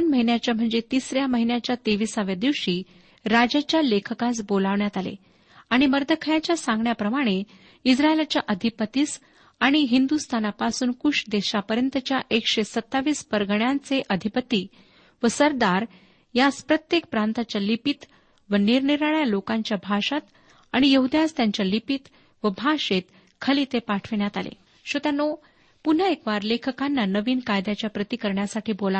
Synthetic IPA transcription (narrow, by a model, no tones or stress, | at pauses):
ənməɦinjat͡ɕjam̤əɳd͡zet̪isɾjaməɦinjat͡ɕjat̪eʋisaʋjad̪iʋɕiː | ɾad͡ʑat͡ɕjalekʰəkasbolaʋɳjat̪alḛ | aɽ̃iməɾd̪ʱəkʰəjat͡ɕjasãŋɡɳjapɾəmaɽ̃e | isɾaelat͡ɕjaʔəd̪ʱipət̪iːs | aɽ̃iɦind̪ust̪ʰanapasuːnkuʂd̪eɕapəɾjənt̪ət͡ɕjaʔekɕesət̪ːaʋiːspəɾɡɳjant͡seʔəd̪ʱipət̪iː | ʋəsəɾd̪aɾ | jaspɾət̪jek̚pɾant̪at͡ɕalipit̪ | ʋəniɾɳiɾɭəjalokãɲt͡ɕjabʱaʂat̪ | aɽ̃ijəɦud̪jast̪jaɲt͡ɕjalipit̪ | ʋəbʱaʂet̪ | kʰəliːt̪epaʈʰʋiɳjat̪alḛ | ɕot̪jano | pun̤əekʋaɾlekʰəkanːanəʋiːnkajd̪jat͡ɕjapɾət̪ikəɾɳjasaʈʰiːbola